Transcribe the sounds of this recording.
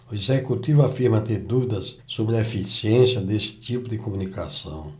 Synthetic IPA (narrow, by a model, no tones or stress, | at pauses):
ʊezekut̪ivʊafiɾmɐt̪eɾd̪uvid̪ɐsːobɾɪɐefisiẽsjɐd̪esɪ̥t̪ipʊd̪ɪkomũnikasɐ̰̃w̃